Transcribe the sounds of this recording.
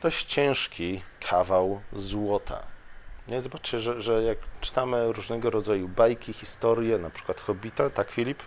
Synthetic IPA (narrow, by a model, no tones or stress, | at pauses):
d̪̥ɔɕt͡ɕt͡ɕɛ̃w̃ʂkʲikʰavawzwɔt̪ʰa̰ɲɛzɔbat͡ʂt͡ɕɛʐɛʐɛjakt͡ʂɘ̥t̪amɘɾuʐnɛɡɔɾɔd̪zajubajkʲixʲist̪ɔɾʲjɛnapʂɘ̥kwat̪xɔbʲit̪at̪akfʲilʲip